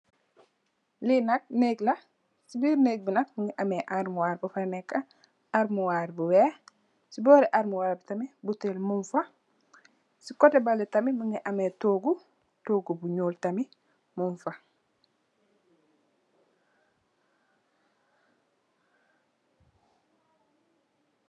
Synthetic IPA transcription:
linɐk̚neːkla | sibiːɾneːk̚binak̚muŋɡiʔameʔaɾmuwaɾbufanɛkːa | aɾmuwaɾbuwe | sibɔːɾiʔaɾmuwaːɾbitamibutelmuɱfa | sikotebalitɐmimuŋɡiʔametoːɡu | toːɡubuɲoːltami | muɱfa

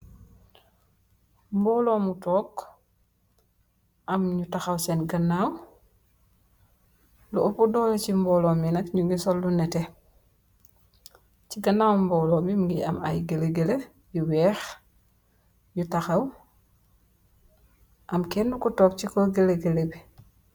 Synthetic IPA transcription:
mbɔːlɔmutɔːk | ʔɐmɲutaxɐwsɛnɡɐnːaw | luʔopudɔːlecimbɔːlɔminɐkɲuŋɡisɔlːunɛtɛ | ciɡɐnːawmbɔːlɔmbimŋɡia̰ma̰jɡeleɡele | juwɛːx | ɲutaxaw | ʔɐmkendukutɔːk̚t͡ʃikɔɡeleɡelebi

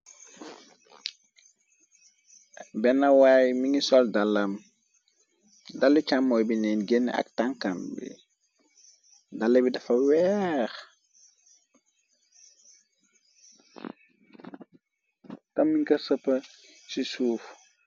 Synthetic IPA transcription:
bɛnːɐwaːjmiŋisɔldalːɐm | dalːit͡ʃamːɔjbinɛnɡen̰ːa̰ktaŋkambḭ | dalːebidɐfɐwɛx | tɐmːiŋkɐsɐpːɐsisuːf

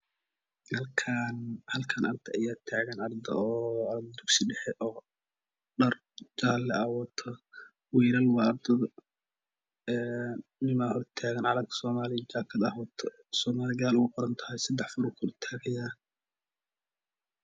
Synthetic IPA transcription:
hɐlkʰanhɐlkʰɐnʔɐrd̪ʰɐɐjaːt̪ʰaːɣɐnɐrd̪ɐ̰ɔːɑɾɐd̪d̪uɡsiɖɛħɛʔɔː | ɖɐr | d͡ʒaːlːɛʔawɔt̪ʰɔ | wiːɾɐlwɑːɐrd̪ɐðɐ | ɛnːɪmahɔrt̪ʰaːɣɐnʕɑɾɐɡkʰsɔːmaːlɪɡaːkʰɐd̪ɐhwɐt̪ʰɔ | sɔːmaːlɪɡaːlʊɣʊqɔɾɐnt̪ʰɐ̥hɛjsɐd̪ɛħfʊɾɔkʰʊɾt̪ʰaːɣɐjaː

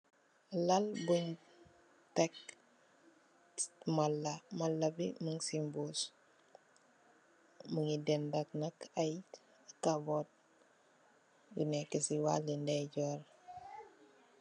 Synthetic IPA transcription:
lalbuɲ | tɛk̚ | malːɐmɐlːɐbiməŋsimbus | məŋidɛndɐk̚nakɐj | kabɔt̚ | ɡṵnɛkəsiwa̰lindɛɟɔɾ

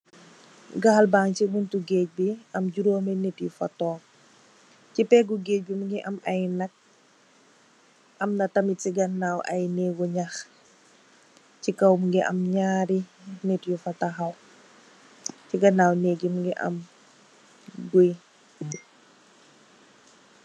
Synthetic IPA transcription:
ɡɐhɐlbaŋcibuntuɡeːc̚biɐmɟuɾoːmɐnɛtjufɐtɔːp̚ | cipɛɡuɡeːc̚bimuŋɡiʔɐmɐjnɐk̚ | ɐmnɐtɐmitiɡɐnːaːwʔɐjnɛːɡuɲax | cikɐwmuŋɡiʔɐ̰mɲaːɾinɛtjufɐtɐxɐw | ciɡɐnaːwnɛːɡimuŋɡɛʔɐ̰m | ɡuj

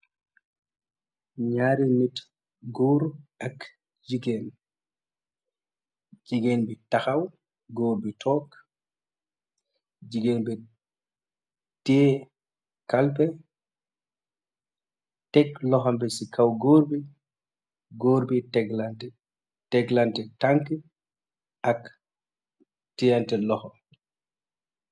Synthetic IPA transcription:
ɲaːɾinit | ɡoːɾak | d͡ʒiɡɛn | d͡ʒiɡɛnbitaxaw | ɡoːɾbitʰɔːk | d͡ʒiɡenbɛ | tɛː | kalpɛ | tɛklɔxɔmbɛsikʰawɡoɾbi | ɡoːɾbitɛɡlantɛ | tɛɡlantɛtaŋkɛ | ʔak | tijantɛlɔxɔ

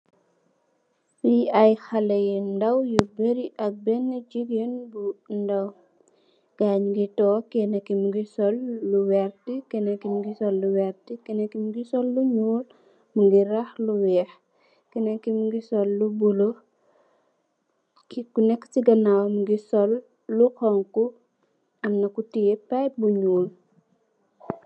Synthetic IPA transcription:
wiɐjxɐlɐjindɐwjubeɾiʔɐk̚bɛnːəd͡ʒiɡenbundɐw | ɡ̥aɲɡitɔːkɛnɛkːimuɡisɔlːuwɛɾtikɛnɐkːimuɡisɔlːuwɛɾtikɛnɛkːimuɡisɔlːuɲuːl | muɡiɾɐxluwɛːx | kɛnɐkːimuɡisɔlːubulo | kikunɛkːt͡ʃiɡɐnawmuɡisɔlː | ukɔŋku | ɐmnɐkutijepajbuɲuːl

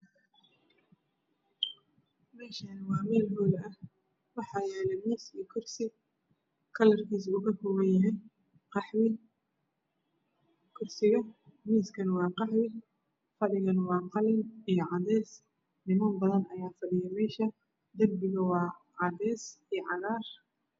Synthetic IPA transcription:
mɛːʃɐnwɑːmɛːlɦɔːlɐh | wɑħɑːjɛːlɛmiːsikʰʊrsɪ | kʰɐlɐrkʰiːsʊɣɐkʰɔɣɐnjɪɦɛn | qɑħwɪ | kʰʊrsɪɣɐmiːskʰɐnwɑːqɑħwɪ | fɐɽɪɣɐnwɑːqɑlɪnijɞʕɑdɛːs | nɪmɐmbɐðɐnɐjaːfɐɗɪjɛmɛːʃɐ | d̪ɐrbɪɣɐwɑː | ʕɑðɛːsijʕɑɾaːr

